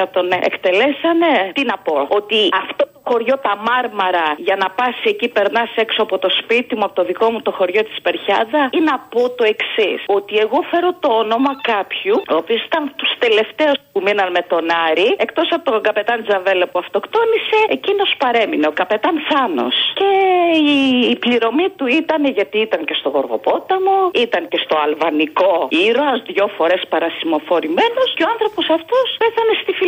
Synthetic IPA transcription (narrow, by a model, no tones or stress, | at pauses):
ɐt̪o̞nḛkt̪e̞lesɐne̞t̪inɐpo̞ot̪iɐft̪ot̪oxo̞ɾʝo̞t̪ɐmɐɾmɐɾɐʝɐnɐpɐsiecipe̞ɾnɐse̞ksoɐpo̞t̪o̞spit̪imuɐpot̪oðiko̞mut̪o̞xo̞ɾʝo̞t̪i̥spe̞ɾçɐðɐinɐpo̞t̪o̞e̞ksiso̞t̪ie̞ɣo̞fe̞ɾo̞t̪o̞ono̞mɐkɐpçuoːpiosi̥t̪ɐnt̪ust̪e̞le̞ft̪e̞uspuminɐnme̞t̪o̞nɐɾie̞kt̪o̞sɐpot̪oŋɡɐpe̞t̪ɐnd͡zɐve̞lɐpuɐft̪o̞kt̪o̞nise̞ecinospɐɾe̞mineokɐpe̞t̪ɐnθɐno̞̰sce̞iːpliɾo̞mit̪uit̪ɐneʝɐt̪iit̪ɐŋce̞st̪oɣo̞ɾɣo̞̰po̞t̪ɐmoit̪ɐŋce̞st̪o̞ɐlvɐniko̞iɾozðʝo̞fo̞ɾe̞spɐɾɐsimo̞fo̞ɾime̞no̞sceo̞ɐnθɾo̞po̞sɐft̪ospeθɐne̞st̪ifi